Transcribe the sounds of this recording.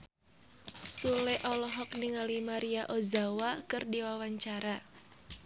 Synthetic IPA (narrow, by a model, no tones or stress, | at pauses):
sulɛʔɔlɔɦɔk̚niŋalimaɾiaʔozawakɨrdiwawaɲt͡ʃaɾa